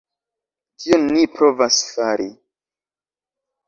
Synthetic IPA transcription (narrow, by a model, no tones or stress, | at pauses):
kionːipɾo̞vasfaɾi